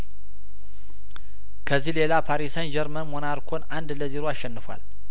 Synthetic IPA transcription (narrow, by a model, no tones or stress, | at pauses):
kʰəzːihle̞lapʰaɾisənd͡ʒɛɾmənmonaɾkʰo̞nand̪ləziɾoaʃːɛnːɨfa̰l